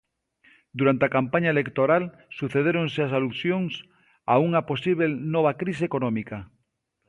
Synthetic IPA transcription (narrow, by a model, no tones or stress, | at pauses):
d̪uɾant̪eakampaɲaelekt̪oɾal | suθeð̞eɾõŋseas̬aluθjoŋs | auŋaposiβelnoβ̞akɾis̬ekonõmika